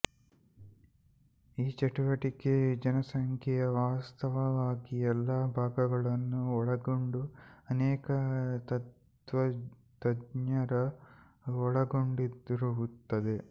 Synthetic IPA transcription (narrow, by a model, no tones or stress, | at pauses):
iːt͡ʃɐʈuʋɐʈiked͡ʒɐnɐsɐŋkʰɛjɐʋaːst̪ɐʋɐʋaːɡiɛlːaːbʱaːɡɐɡɐɭɐnːuɔɭɐɡo̞ɳɖuɐnɛːkɐt̪ɐt | ʋɐ | t̪ɐdɲɐɾɐ | ɔɭɐɡoɳɖid̪ɾɐʋut̪ːɐd̪e